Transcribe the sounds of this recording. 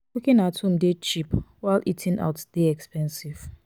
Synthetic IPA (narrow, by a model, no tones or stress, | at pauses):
ukɪ̃natum̩det͡ʃipwaɪlʔitʰɪ̃ŋa̰ʊtdeɛkspɛ̃nsiv̥